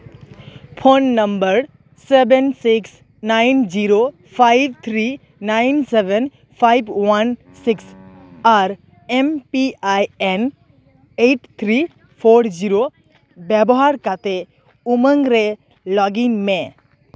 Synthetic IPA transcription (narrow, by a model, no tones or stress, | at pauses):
pʰonːəmbəɾ | sebɛnsiks | najnd͡ʒiɾo | pʰajbt̪ʰɾi | najnsɛʋɛn | pʰajbwan | siks | aɾ | ɛmpiajɛn | eʈt̪ʰɾi | pʰoɾd͡ʒiɾo | bɛbɔɦaɾkat̪e | uməŋɡɾe | lɔɡiŋmẽ